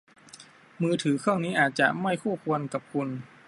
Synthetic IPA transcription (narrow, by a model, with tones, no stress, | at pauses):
mɯː˧t̪ʰɯː˩˦kʰɯː˥˩ŋniː˦˥ʔaː˨˩t̪̚t͡ɕa˨˩ʔma˥˩jkʰuː˥˩kʰu˧ənka˨˩p̚kʰu˧n